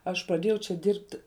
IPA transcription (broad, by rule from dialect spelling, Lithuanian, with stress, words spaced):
ˈɐʃ prɐˈdʲeːjɛʊ t͡ʃʲɛ ˈdʲɪrʲpʲtʲɪ